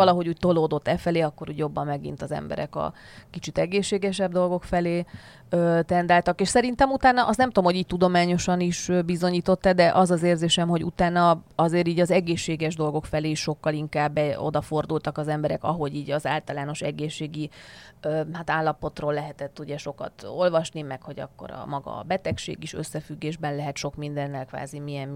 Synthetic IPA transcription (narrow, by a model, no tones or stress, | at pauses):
ɒlɒɦo̞ɟuːc̚t̪o̞loːd̪o̞t̪ːɛfɛleːɒkːo̞ɾuːɟjo̞bːɒmːɛɡḭn̪t̪ɒzɛ̰mbɛ̰ɾɛ̰kɒ̰ | kit͡ʃit̪ɛɡeːʃːeːɡɛʃɛb̚d̪o̞lɡo̞kfɛleː | øːt̪ɛnd̪aːlt̪ɒkeːʃsɛɾint̪ɛmut̪aːnːɒʔɒst̪nɛmt̪omho̞ɟiːc̚t̪ud̪o̞maːɲo̞ʃɒniʃøbizo̞ɲiːt̪o̞t̪ːɛd̪ɛʔɒzɒzeːrzeːʃɛmho̞ɟṵt̪aːnːɒɒzeːɾiːɟɒzɛɡeːʃːeːɡɛʒd̪o̞lɡo̞kfɛleːʃʃo̞kːɒliŋkaːbːɛo̞̰d̪ɒfo̞rd̪ult̪ɒkɒzɛmbɛɾɛkɒ̰ɦo̞ɟiːɟɒza̰ːlt̪ɒlaːno̞ʃɛ̰ɡeːʃːeːɡiøhat̪aːlːɒpo̞t̪roːlːɛɦɛt̪ɛt̪ːuɟɛʃo̞kɒ̰t̪o̞lvɒʃnimɛkho̞ɟɒ̰kːo̞̰ɾɒ̰mɒɡɒ̰bɛt̪ɛkʃḛːɡiʃøsːɛfyɡːeːʒbɛnlɛɦɛt̪ʃo̞kmind̪ɛnːɛlkʋa̰ːzimijɛm